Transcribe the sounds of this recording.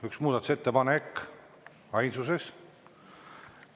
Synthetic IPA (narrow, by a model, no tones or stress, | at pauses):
yksmuːd̪ɑt̪u̥se̞t̪ːepɑnekː | ɑjnsuse̞s